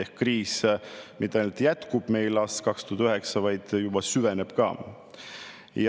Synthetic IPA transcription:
ehkkriːsmit̪ˑːɑjnult̪jæt̪kub̥me̞jlɑskɑkst̪oːt̪yɦeksɑvɑjd̪̥jub̥ɑsyveneb̥kɑ̰ː | j

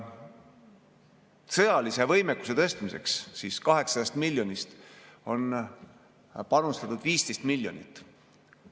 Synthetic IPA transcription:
sɤjɑlise̞vɤjmekːu̥se̞t̪ɤst̪mise̞̰kssiːskɑɦe̞ksɑd̪̥ɑst̪milʲːjo̞nist̪o̞n | pɑnust̪ɑt̪ud̪viːst̪e̞jst̪milʲjo̞nit̪ːˑ

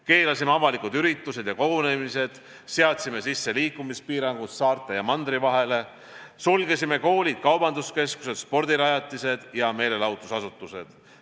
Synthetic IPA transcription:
ke̞ːlɑsimeɑvɑlikud̪yɾit̪ːˑuse̞d̪̥jɑko̞ɡone̞mise̞d̪̥ | seɑt̪sime̞sisːe̞liːkːˑumispiːɾɑŋɡussɑːrt̪ːˑe̞jɑmɑnd̪ɾivɑɦe̞le̞ | sulɡesime̞ko̞ːlid̪̥kɑwbɑnd̪uske̞sku̥se̞d̪̥spo̞rd̪iɾɑjɑt̪ːˑise̞d̪̥jɑme̞ːle̞lɑwt̪ːˑusɑsut̪ːˑuse̞̰d̪̥

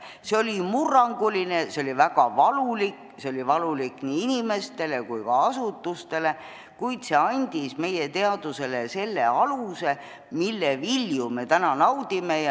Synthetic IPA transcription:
seo̞lʲimurːɑŋɡ̥uline̞seo̞livæɡ̥ɑvɑlulik | seolʲivɑlulikːniːinʲime̞st̪e̞le̞kujkɑɑsut̪ːust̪e̞le̞ | kujd̪se̞ɑnʲd̪̥isme̞je̞t̪e̞ɑd̪̥use̞lese̞lːe̞̰ɑluse̞ | milːeviljume̞t̪ænɑnɑwd̪̥ime̞j

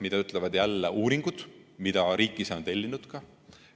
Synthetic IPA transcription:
mid̪̥ɑyt̪ˑlevɑd̪̥jælːeʔuːɾiŋɡ̥ud̪̥mid̪̥ɑɾiːkːˑiseont̪e̞lʲːinud̪̥kɑ

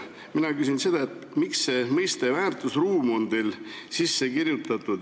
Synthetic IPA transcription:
minɑkysinse̞d̪̥ɑe̞t̪ːmiksːe̞mɤjst̪e̞væːrt̪ˑusruːmo̞nd̪elsisːe̞kirjut̪ːˑɑt̪ːˑud̪

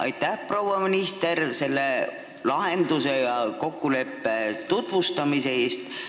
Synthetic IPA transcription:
ʔɑ̰jt̪ːˑæhpro̞wɑminist̪e̞ɾse̞lːe̞ | lɑɦe̞nd̪̥use̞jɑko̞kːule̞pːe̞t̪ut̪vust̪ɑmise̞e̞ːst̪

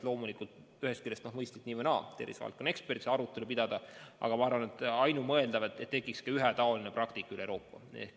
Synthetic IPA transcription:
lo̞ːmulikˑult̪ | yhe̞st̪kilːest̪nohmɤjst̪it̪niːvɨnɑːt̪ḛɾisvɑ̰lkːˑone̞kspert̪iseɑɾut̪ːˑe̞lupid̪̥ɑd̪ɑɑ̰ɡ̥ɑmɑɑrvɑnet̪ːɑjnumɤe̞ld̪ɑvet̪ːet̪ːe̞ɡˑikskɑyɦet̪ɑo̞lineprɑkt̪ikːˑyleɾo̞ːpːɑ̰ḛ

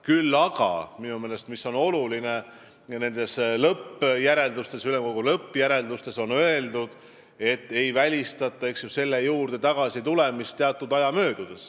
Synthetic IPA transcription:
kylːɑɡ̥ɑ̰minume̞ːle̞st̪miso̞no̞luline̞ | ne̞nd̪̥e̞slɤpːjæɾe̞ld̪ust̪e̞syle̞mko̞ɡ̥ulɤpːˑjæɾe̞ld̪ust̪e̞so̞nø̞e̞ld̪ud̪̥ | e̞t̪ːe̞jvælʲist̪ɑt̪ːˑɑe̞ksjuse̞lːe̞juːrd̪̥e̞t̪ɑɡ̥ɑsit̪ule̞mist̪t̪ːeɑt̪ˑːud̪̥ɑjɑmø̞ːd̪̥ud̪̥e̞s

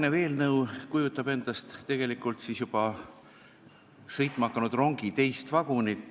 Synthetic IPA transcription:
neve̞ːlnɤwkujut̪ːˑɑb̥e̞nd̪̥ɑst̪t̪ːe̞ɡ̥e̞likːˑult̪sisjub̥ɑ | sɤjt̪ːˑmɑɑkːˑɑnud̪̥ro̞ŋɡ̥it̪e̞jst̪vɑɡ̥unit̪ːˑ

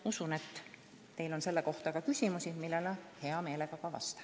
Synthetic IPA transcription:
usune̞t̪ː | e̞jlo̞nse̞lːeko̞ht̪ɑkɑkysʲimusimilːelɑhe̞ɑme̞ːle̞ɡ̥ɑkɑvɑ̰st̪ɑ̥

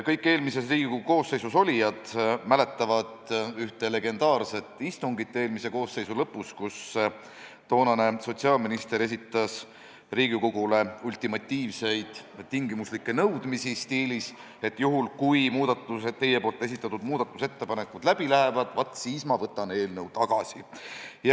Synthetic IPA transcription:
kɤjkːˑe̞ːlmise̞sriːɡ̥ikuko̞ːsːe̞jsuso̞lʲijɑd̪̥mæle̞t̪ˑːɑvɑd̪̥yht̪ele̞ɡe̞nd̪̥ɑːrse̞t̪ːˑist̪uŋɡit̪ːe̞ːlmise̞ko̞ːse̞jsulɤpːˑuskus | t̪o̞ːnɑne̞so̞t̪siɑːlminist̪e̞ɾe̞s̬ʲit̪ːˑɑs | riːɡ̥ikoɡ̥ule̞ulʲt̪ˑimɑt̪ʲːiːvse̞jd̪̥t̪iŋɡimuslikːe̞nɤwd̪misist̪iːlis | e̞t̪ːˑjuɦulkujmuːd̪̥ɑt̪ːˑuet̪ːe̞jepo̞ːlt̪ːˑe̞s̬it̪ːˑɑt̪ud̪muːd̪̥ɑt̪ːˑuse̞t̪ːe̞pɑne̞kːud̪̥læb̥ilæɦe̞vɑd̪̥vɑt̪ːˑsiːsmɑvɤt̪ːˑɑne̞ːlnɤwt̪ɑɡ̥ɑsḭj

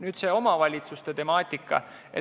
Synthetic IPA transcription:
nyːd̪̥se̞ːo̞mɑvɑlʲit̪sust̪e̞t̪e̞mɑːt̪ʲːˑikːˑɑ̰ | ḛ

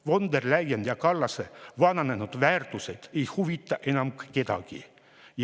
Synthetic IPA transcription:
ʋond̪erlæjend̪jɑkɑlːɑseʋɑnɑnenud̪ʋæːrt̪uset̪ejhuʋit̪ːɑʔenɑmkket̪ɑ̰kḭ | j

